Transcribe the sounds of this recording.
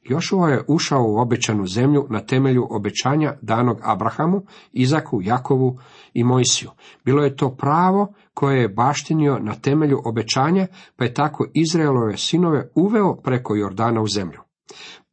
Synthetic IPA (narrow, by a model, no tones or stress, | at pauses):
jo̞ʃoʋojeʔuʃaouo̞bet͡ɕanuze̞mʎunat̪e̞me̞ʎuʔo̞be̞t͡ɕaːɲad̪aːno̞ɡa̰bɾaxamuizakʰujako̞ʋuimo̞jsijubiːlo̞jet̪o̞ːpɾaːʋo̞ | kʰo̞jejebaːʃt̪inio̞nat̪e̞me̞ʎuʔo̞be̞t͡ɕaːɲapaje̞t̪akʰo̞ʔizɾailˠo̞ʋe̞sino̞ʋe̞uʋe̞opɾe̞ko̞joɾd̪aːnauze̞mʎu